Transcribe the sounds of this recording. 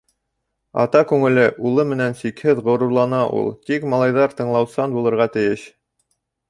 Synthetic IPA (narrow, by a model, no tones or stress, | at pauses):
ɑ̰t̪ɑkʉŋɘ̆lɘʔulˠɤmɘ̆nænsikhɘðʁŏɾŭɾlˠɑnɑʔṵlˠt̪ikmɑlˠɑjðɑɾt̪ɤ̆ɴlˠɑwsɑnbulˠɤ̆ɾʁɑt̪ɘ̆jɘɕ